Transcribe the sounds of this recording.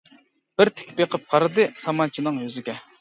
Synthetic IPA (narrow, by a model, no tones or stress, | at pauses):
b̥ɪɾt̪ʰɪ̥kʲpeqʰəp̚qʰɑɾɨd̪ɨsɑmɑnt͡ʃʰinɨŋjøzɪɡʲɛ